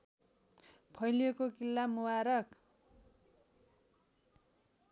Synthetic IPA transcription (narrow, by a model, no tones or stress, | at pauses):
pʰʌjlijekokilːamuwaɾʌk